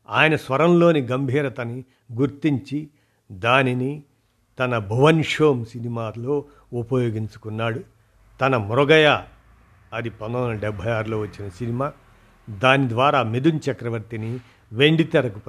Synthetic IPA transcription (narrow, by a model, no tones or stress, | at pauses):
aːjɐnɐsʋɐɾɐmlo̞ːniɡɐmbʱiːɾɐt̪ɐni | ɡuɾt̪iɲt͡ʃi | d̪aːnini | t̪ɐnɐbʱɐʋɐnʂoːmsinimaːlo̞ː | upɐjo̞ːɡiɲt͡ʃu̥kunːaːɽu | t̪ɐnɐmɾɔɡɐjaː | ɐd̪ipɐnd̪ɐnd̪ulɐɖɛbʱɐjaːɾloːʋɐt͡ʃːinɐsinimaː | d̪aːnid̪ʋaːɾaːmid̪unt͡ʃɐkɾɐʋɐɾt̪ini | ʋeɳɖit̪ɛɾɐkup